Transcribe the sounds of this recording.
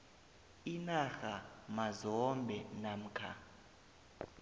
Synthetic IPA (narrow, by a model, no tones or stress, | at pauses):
inaxamazɔmbʱɛnam̩kʰa̰